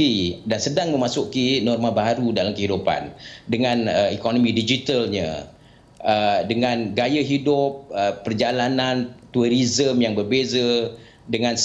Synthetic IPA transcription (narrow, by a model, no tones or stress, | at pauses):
idansədaŋmə̃masʊkinɔrmãbaɾudalamkəɦidupa̰ndəŋãnəikonomĩdid͡ʒit̪əlɲã̰ | ədəŋãnɡajəɦidʊp̚əːərd͡ʒalanant̪uəɾizəmjaŋbərbezə | dəŋãns